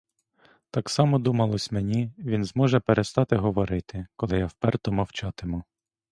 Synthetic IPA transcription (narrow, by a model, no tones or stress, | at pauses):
t̪ɑksɑmɔd̪umɐlˠɔsʲmenʲiʋʲinzmɔʒɛpeɾʔest̪ɑt̪ɪɦɔʋɔɾɪt̪ɪkɔlˠɪjɑwpɛrt̪ɔmɔwt͡ʃɑt̪ɪmʊ